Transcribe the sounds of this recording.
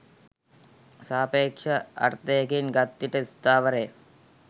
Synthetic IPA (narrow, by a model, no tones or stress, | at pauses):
saːpeːkʂɐɐ̰ɾt̪ejɐkinɡɐt̪ːiʈəist̪aːʋəɾeː